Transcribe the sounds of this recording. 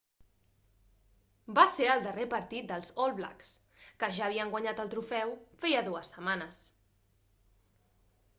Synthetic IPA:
baseɾəlˠd̪ərepəɾt̪it̪̚d̪əlˠzɔlˠβla̰ks | kəʒaːβ̞iəŋɡwaɲat̪əlˠt̪ɾufɛwfɛjəðuəsːəmanəs

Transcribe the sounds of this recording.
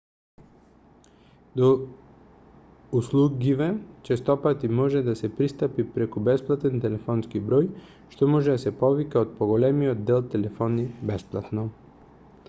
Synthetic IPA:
d̪ɔ | uslˠuɡivɛt͡ʃɛst̪ɔpat̪imɔʒɛd̪asɛpɾist̪apipɾɛkubɛsplˠat̪ɛnt̪ɛlɛfɔnskibɾɔj | ʃt̪ɔmɔʒɛd̪asɛpɔvikaot̪̚pɔɡɔlɛmiɔd̪̚d̪ɛlˠt̪ɛlɛfɔnibɛsplˠat̪nɔ

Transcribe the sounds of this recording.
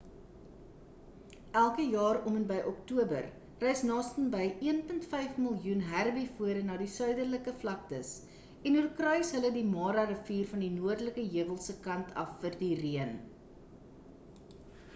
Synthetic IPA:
ʔælˠkəjɑːrɔmənbɛjʔɔktuəbə̰r | rɛjsnɑːstənbəjʔiənpəntfɛjfməlˠjunɦærbifuəɾənɑːdisœɥdərləkəflɐk̚təs | ɛnɦurkrœɥsɦələdimɑːɾɐrəfiːrfɐndinuərdləkəɦiəvəlˠsəkɐntʰɐ̰fːərdiriən

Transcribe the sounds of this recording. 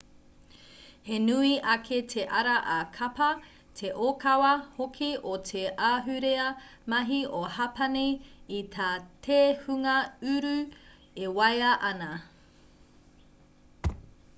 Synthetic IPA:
henʉiʔɐkʰetʰeʔɐɾɐʔɐkʰɐpɐ | tʰeʔokɐwɐhokʰiʔotʰeʔaːɦʉɾeɐmɐɦiʔohɐpɐnejitʰaːtʰeːhʉŋɐʉɾʉ | ewɐjɐʔɐnɐ

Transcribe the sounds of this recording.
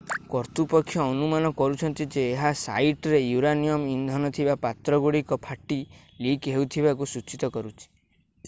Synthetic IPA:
kɔɾt̪upɔkʰːjɔːnumanɔkɔɾut͡ʃʰɔnt̪id͡ʒeːɦasa̰jʈɾejuɾanijɔmind̪ʱɔnɔt̪ʰibapat̪ɾɔɡuɽikɔpʰaʈːi | likɦeut̪ʰibakusut͡ʃit̪ɔkɔɾut͡ʃʰi̥

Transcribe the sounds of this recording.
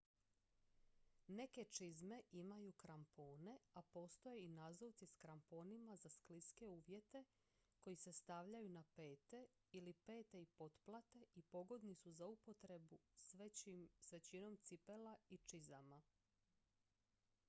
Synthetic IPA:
ne̞ke̞t͡ʃizme̞ʔimajukɾampo̞ːne̞apo̞ːst̪o̞jeinazot̪siskɾampo̞ːnimazaskliske̞uːʋje̞t̪e̞ | ko̞jise̞st̪aʋʎajunape̞ːt̪e̞ | ilipe̞ːt̪e̞ipo̞t̪plˠat̪e̞ʔipo̞ɡo̞d̪nisuzaupo̞t̪ɾe̞bu | sʋet͡ɕino̞mt̪sipe̞lait͡ʃizama

